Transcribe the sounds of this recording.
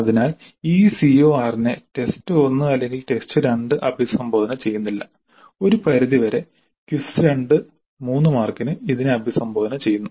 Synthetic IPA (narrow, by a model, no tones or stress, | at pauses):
ɐðinaːl | iːsio̞ːaːrinete̞stɨo̞nːɨɐlːe̞ŋɡilʈe̞stɨɾeɳɖɨʔɐbʱisɐmboːðɐnɐt͡ɕe̞jːunːilːɐ̰ | o̞ɾupɐɾiðiʋɐɾe̞ | kjusɨɾe̞ɳɖɨ | muːnːɨmaːrkinɨiðineɐbʱisɐmbʱoːðɐnɐt͡ɕe̞jːunːu